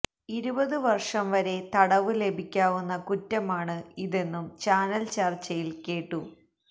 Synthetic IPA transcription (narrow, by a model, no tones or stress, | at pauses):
iɾubɐðɨʋɐrʂɐmʋɐɾe̞t̪ɐɽɐʋɨle̞bʱikʲːaːʋunːɐkutːɐmaːɳɨiðe̞nːumt͡ɕaːnɐlt͡ɕɐrt͡ɕːɐjilke̞ːʈːu